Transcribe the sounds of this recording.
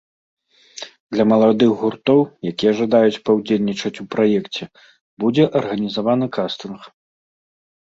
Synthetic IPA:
d̪lʲɐmɐlˠad̪ɨɣɣurt̪ɔwjakʲijɛʐɐd̪ajut͡sʲpɐwd͡zʲelʲnʲit͡ʂɐt͡sʲupɾajɛkt͡sʲɛ | bud͡zʲɛʔɐrɣɐnʲizavanɨkast̪ɨnx

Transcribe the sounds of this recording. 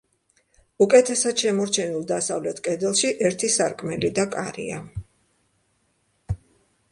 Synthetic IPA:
ukʼɛt̪ʰɛsad̪̥ʃɛmɔɾt͡ʃʰɛnilˠd̪asavlɛt̪ʰkʼɛd̪ɛlˠʃiʔɛɾt̪ʰisaɾkʼmɛlid̪akʼaɾḭa

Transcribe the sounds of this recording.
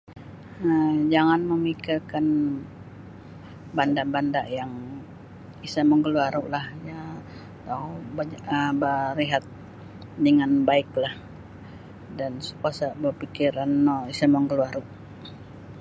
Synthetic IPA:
nad͡ʒaŋanməmikirkan | bandaʔbandaʔjaŋ | isaməŋɡəluaɾuʔlahja | t̪abaəbaɾiɦat̪̚ | dəŋanbaɪklah | dansu̥kasaʔbərpikiɾanːɔisaməŋɡəluaɾuʔ

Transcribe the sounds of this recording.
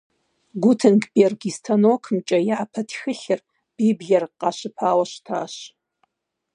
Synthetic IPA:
ɡʷʊtʰɨnkbʼerɡistʰɐnoːkʰmt͡ʃʼɐjaːpʰɐtʰxɨɬɨr | b̥iːbɮɐrqɑɕɨpʰaːwɐɕtʰaːɕ

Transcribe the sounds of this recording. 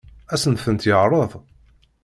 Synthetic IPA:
æsənθənt̪jəʕɾˤəðˤ

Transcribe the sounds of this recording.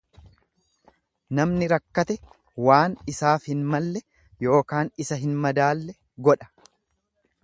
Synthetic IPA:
nɐmnɪɾɐkːɐt̪ɛ | waːnɪsaːfhɪnmɐlːɛ | jo̞ːkaːnɪsɐɦɪnmɐd̪aːlːɛ | ɡɔᶑɐ̥

